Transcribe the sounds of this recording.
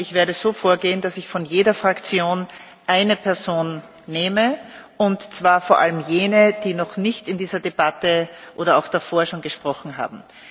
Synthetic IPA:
ʔɪçv̥eːɐɾəz̥oːfoːɐɡeːənd̥asɪçfɔnjeːɾɐfʁ̥akt͡sjoːn | ʔaɪnəpʰɛɐzoːnː | eːmə | ʊntt͡sv̥aːɐfoːɐʔa̰ləmjeːnəd̥iːnɔχnɪçtɪndiːzɐdeb̥atəʔoːɾɐaʊxd̥afoːɐʃoːnɡəʃpʁ̥ɔχn̩ɦa̰ːb̚m̩

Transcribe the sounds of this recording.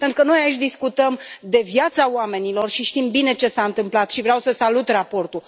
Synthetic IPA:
pent̪ɾukəno̞jait͡ʃʲd̪iskut̪əmd̪e̞vjat̪saoame̞nilo̞rʃiʃt̪imbine̞t͡ʃe̞saɨnt̪ɨmplat̪ʃivɾeawsəsalut̪rapo̞rt̪u

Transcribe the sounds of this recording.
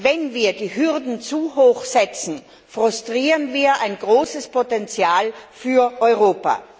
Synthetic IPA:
vɛnviːɐdiːɦʏʁdn̩t͡suɦoːxsɛt͡sn̩ | fʁʊstʁ̥iːʁənviːɐʔaɪnɡʁoːsəspʰotɛnt͡sjaːlfyːɐʔɔʏʁoːpa̰

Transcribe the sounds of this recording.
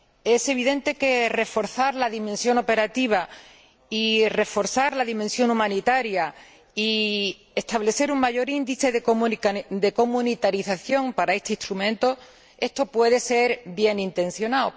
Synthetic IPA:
e̞se̞β̞iðẽ̞nt̪e̞ke̞re̞fo̞ɾθaɾlaðimensjo̞no̞pe̞ɾat̪iβ̞a | ire̞fo̞ɾθaɾlaðimẽ̞nsjo̞numãnit̪aɾja | i | e̞st̪aβle̞θe̞ɾuŋmaʝo̞ɾind̪iθe̞ð | d̪e̞ko̞mũnit̪aɾiθaθjo̞ŋpaɾae̞st̪e̞ist̪ɾumẽnt̪o̞ | e̞st̪o̞pwe̞ðe̞se̞ɾbje̞nint̪ẽ̞n̟θjo̞nao

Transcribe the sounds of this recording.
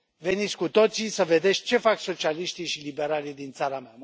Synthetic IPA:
ve̞nit̪sʲkut̪o̞t̪sisəve̞d̪e̞sʲt͡ʃe̞fakso̞t͡ʃialiʃt̪iʃilibe̞ɾalid̪int̪saɾama

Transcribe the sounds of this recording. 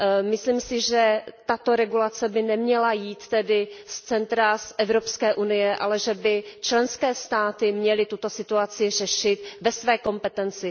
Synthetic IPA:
mɪsliːmsɪʒɛt̪at̪o̞ɾɛɡulat͡sɛbɪnɛmɲɛlajiːt̪ːɛdɪst͡sɛnt̪ɾasʔɛvɾo̞pskɛːʔunɪjɛʔalɛʒɛbɪt͡ʃlɛnskɛːst̪aːt̪ɪmɲɛlɪt̪ut̪o̞sɪt̪uat͡sɪr̝ɛʃɪt̪vɛsvɛːko̞mpɛt̪ɛnt͡sɪ

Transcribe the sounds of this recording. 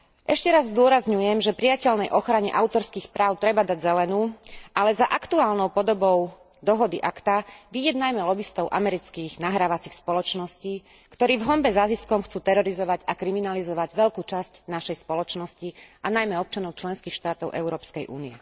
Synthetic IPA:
ʔɛʃcɛɾazːd̪ʊɔɾazɲujɛmʒɛpɾijacɛʎnɛjʔɔxɾaɲɛ̰ʔaʊt̪ɔɾskiːxpɾaːʊt̪ɾɛbad̪aɟzɛlɛnuːʔalɛzaʔakt̪uaːlnɔʊpɔd̪ɔbɔʊ | d̪ɔɦɔd̪iʔakt̪aʋiɟɛd̪najmɛlɔbist̪ɔʊʔa̰mɛɾit͡skiːɣnaɦɾaːʋat͡sixspɔlɔt͡ʃnɔsciː | kt̪ɔɾiːvɦɔmbɛzaziskɔmxt͡suːt̪ɛɾɔɾizɔʋaɟakɾiminalizɔʋaɟʋɛʎkuːt͡ʃascnaʃɛjspɔlɔt͡ʃnɔscianajmɛɔp̚t͡ʃanɔʊt͡ʃlɛnskiːxʃt̪aːt̪ɔʊʔɛ̰ʊɾɔːpskɛjʔṵːniɛ

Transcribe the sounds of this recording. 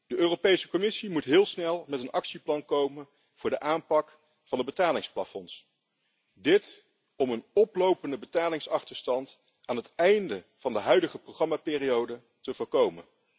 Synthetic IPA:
d̥əʔøːrowpejsəkɔmɪsimutɦɪːlˠsnɛlˠmɛtənʔɑksiplɑnkowmən | v̥ʊːɹdəʔaːmpɑk | fɑndəbətaːlɪŋsplafɔns | dɪt | ɔmənɔplowpəndəbətaːlɪŋsɑχtəɹstɑnt | aːnɦətɛjndəv̥ɑndəɦœɥdəχəproχrɑmaːpɪːrijowdə | təvʊːɹkowmə̰n

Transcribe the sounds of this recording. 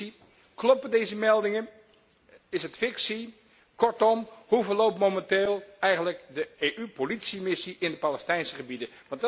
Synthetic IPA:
i | klɔpədejzəmɛlˠdɪŋə | ɪsətfɪksi | kɔɹtɔmhuvəɹlowpmomɛnteːlˠɛjχənləkdəeːʔypolitsimɪsiʔɪndəpalɛstɛjnsəχəbidəʋɑnt

